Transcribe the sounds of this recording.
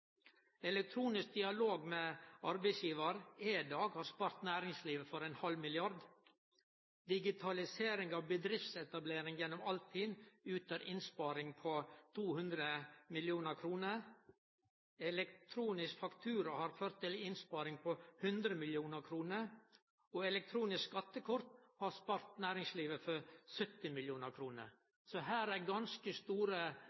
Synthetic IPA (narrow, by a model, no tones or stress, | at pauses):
ɛlɛk̚t̪ʰɾuːnɪsk̚d̪ɪɑloːɡmeːɑɾbæɪsjiːʋəɾed̪ɑːɡhɑːɾspɑːɾt̪næːɾɪŋsliːʋəfɔɾɛnhɑlmɪlɪɑɾd̪ | d̪ɪɡɪt̪ʰɑlɪseːɾɪŋɑʋbəd̪ɾɪft̪sɛt̪ɑbleːɾɪŋjɛnːɔmɑlt̪ʰiːnʉːt̪əɾɪnspɑːɾɪŋpʰot̪ʰuːhʉnd̪ɾəmɪljuːnəɾkʰɾuːnəɾ | ɛlɛkt̪ʰɾuːnɪskfɑkt̪ʰʉːɾəhɑɾføːɾt̪ʰːɪlɪnspɑːɾɪŋpʰɔhʉnd̪ɾəmɪljuːnəɾkʰɾuːnəɾ | ɔɛlɛk̚t̪ʰɾuːnɪskskɑt̪ːəkʰʊɾt̪hɑɾspɑːɾt̪næːɾɪŋsliːʋəfɔɾsœt̪ːɪmɪljuːnəɾkʰɾuːnə̰ɾ | sɔɦæːɾæɾɡɑnskəst̪uːɾə